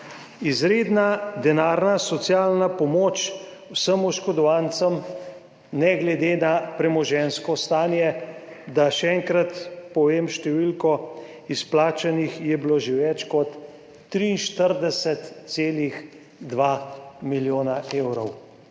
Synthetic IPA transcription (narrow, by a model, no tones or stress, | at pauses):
izɾeːd̪nad̪ɛnaːɾnasɔt̪sjaːlnapɔmoːt͡ʃ | wsəmuʃkɔd̪ɔʋant̪səm | nɛɡlɛd̪eːnapɾɛmɔʒɛnskɔst̪aːnjɛd̪aʃɛɛŋkɾat̪pɔʋeːmʃt̪ɛʋilkɔ | isplaːt͡ʃanixjɛbiloʒɪʋɛt͡ʃkɔt̪ː | ɾinʃt̪əɾd̪ɛsɛt̪seːlix | d̪ʋamiljoːnaeːwɾɔw